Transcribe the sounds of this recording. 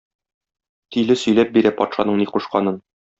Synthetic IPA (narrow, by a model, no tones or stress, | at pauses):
t̪ʰĭlɘsɵ̆jlæp̚biɾæpɒ̰t̪ʃɑnɤɴniquʃqɑnɤn